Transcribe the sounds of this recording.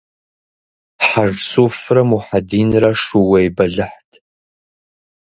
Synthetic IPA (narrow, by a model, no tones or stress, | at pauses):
ħarsuframuħadinraʂuwejbaɮɨħtʰʼ